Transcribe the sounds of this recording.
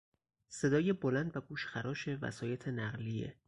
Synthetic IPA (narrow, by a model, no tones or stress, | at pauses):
se̞d̪ɒːjebolænd̪væɡuːʃxæɾʔɒːʃe̞væ̰sɒːje̞t̪ʰe̞næɣliḛ